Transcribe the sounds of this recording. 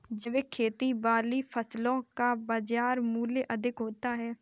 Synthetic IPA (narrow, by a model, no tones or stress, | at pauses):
d͡ʒɪʋeːkʰeːt̪iːbaːliːpʰəslõːkaːbad͡ʒaːɾmuːleːʔəd̪ɪkɦoːt̪aːɦɛː